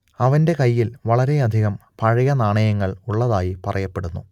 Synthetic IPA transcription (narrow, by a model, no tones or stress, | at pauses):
ɐʋɐnde̞kɐjːilʋɐɭɐɾe̞ɐd̪ʱiɣɐmpɐɻɐjɐnaːɳɐjɐŋːɐɭuɭːɐðaːjipɐrʔɐjɐpːe̞ɽunːṵ